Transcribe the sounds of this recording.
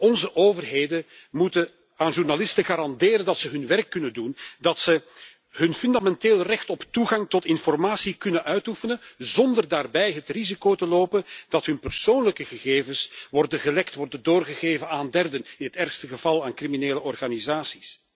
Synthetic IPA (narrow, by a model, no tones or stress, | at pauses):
ɔnzəʔoːvərɦeːdə | mutən | aːnʒurnalɪstəɣaːɾɑndeːɾəndɑtsəɦɵnʋɛrkːɵnəndundɑtsə | ɦɵnfʏndamɛnteːlˠrɛxtɔptuɣɑŋtɔtɪnfɔrmaːsikɵnənʔœɥtufənəzɔndərdaːrbɛjɦətrizikoːtəloːpənd̥ɑtɦɵnpərsoːnləkəɣəɣeːvəsʋɔrdəɣəlɛktʋɔrdəndoːrɣəɣeːvənaːndɛrdənɪnɦətɛrxstəɣəv̥ɑlˠaːnkrimineːləʔɔrɣaːnizaːsi̥s